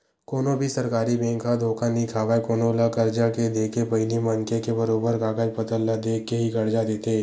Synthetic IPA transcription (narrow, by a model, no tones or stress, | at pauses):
koːnõbʱisɐɾkaːɾibɛ̃ːŋkʰad̪ʱoːkʰanĩkʰaːʋaekoːnolakɐɾd͡ʒaked̪eːkepɐɪnimɐnkekebɐɾoːbəɾɡaːɡəd͡ʒpɐt̪əlːad̪eːkːeɦiɡɐɽd͡ʒad̪eːt̪eː